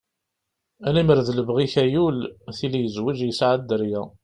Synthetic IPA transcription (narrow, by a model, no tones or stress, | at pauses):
æliməɾðləbʁiçæjulθilijəzwid͡ʒjəsʕad̪ːəɾjæ